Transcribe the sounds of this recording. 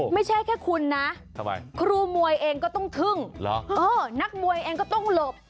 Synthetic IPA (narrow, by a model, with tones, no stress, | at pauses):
ma˥˩jt͡ɕʰa˥˩jkʰɛː˥˩kʰu˧nːa˦˥ʔt̪ʰa˧˩ba̰˧jkʰɾuː˧mu˧əjʔeː˧ŋkɔː˥˩t̪ɔ˥˩ŋt̪ʰɯ˥˩ŋlɔ˦˥ʔɤː˧na˦˥k̚mu˧əjʔeː˧ŋkɔː˥˩t̪ɔ˥˩ŋlo˨˩p̚